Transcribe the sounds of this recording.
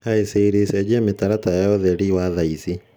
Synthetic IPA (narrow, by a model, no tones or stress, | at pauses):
aeseɾesɛd͡ʑɛmetaɾatajjɔðɛɾiwaðaisi